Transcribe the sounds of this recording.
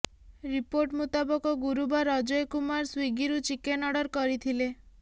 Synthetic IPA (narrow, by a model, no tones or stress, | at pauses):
ɾipoɾʈmut̪abɔkɔɡuɾubaɾɔd͡ʒɔjkumaɾswiɡiɾut͡ʃikenɔɽɔɾkɔɾit̪ʰile